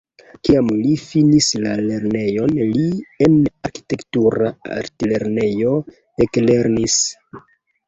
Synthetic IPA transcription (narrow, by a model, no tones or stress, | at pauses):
kiamlifinislale̞ɾne̞jo̞nlienaɾki̥te̞ktuɾaa̰ɾtile̞ɾne̞jo̞ | ekle̞ɾnis